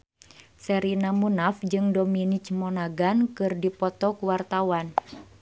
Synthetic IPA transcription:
sɛɾinamunafd͡ʒɨŋdɔminit͡ʃmɔnaɡankɨrdipɔt̪ɔkuwart̪awan

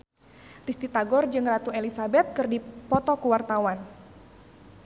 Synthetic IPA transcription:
rist̪it̪aɡɔrd͡ʒɨŋrat̪uelisabɛt̪̚kɨrdipɔt̪ɔkuwart̪awan

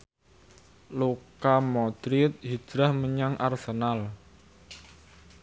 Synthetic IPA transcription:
lokamɔd̪̥ɾit̪̚hid̥ɾahməɲaŋʔa̰rsənal

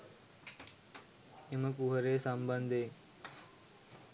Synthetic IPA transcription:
eməkuɦəɾeːsəmbənd̪ʱeː

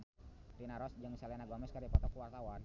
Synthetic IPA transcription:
rinaɾɔsd͡ʒəŋisalɛnaɡɔmɛskaɾipɔt̪ɔkuwart̪awan

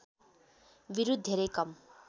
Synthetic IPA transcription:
ʋiɾud̪ʱːeɾekʌm

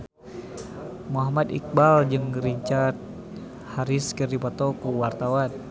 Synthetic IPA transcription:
muɦamat̪ḭk̚bald͡ʒɨŋriɲt͡ʃart̪̚ | haɾiskɨrdipɔt̪okuwart̪awan

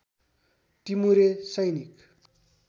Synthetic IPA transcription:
timuɾesʌjnik

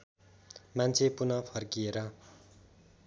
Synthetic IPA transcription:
mant͡sʰepunʌpʰʌrkieɾʌ

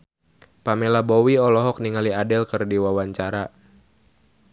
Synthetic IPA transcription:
pamɛlabɔwiɔlɔɦɔk̚niŋaliadɛlkərdiwawaɲt͡ʃaɾa

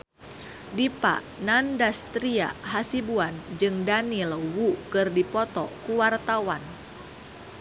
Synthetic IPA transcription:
dipa̰ʔ | nandast̪ɾia̰ɦasibuand͡ʒɨŋdanilwukɨrdipɔt̪ɔkuwart̪awan

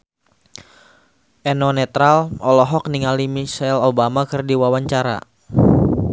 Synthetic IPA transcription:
ʔɛnɔnɛt̪ɾalɔlɔɦɔk̚niŋalimisalobamakɨrdiwawaɲt͡ʃaɾa̰

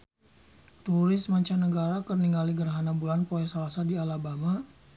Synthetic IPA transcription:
t̪uɾɪsmaɲt͡ʃanəɡaɾakərniŋɡaliɡərɦanabulanpoɛsalasadialabama

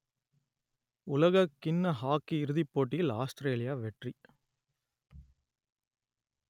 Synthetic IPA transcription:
ʊlɐɣɐkːɪnːɐɦaːkːiɪɾɯðɪpːoːʈːɪjɪlaːstɾeːlɪjaːʋɛʈri

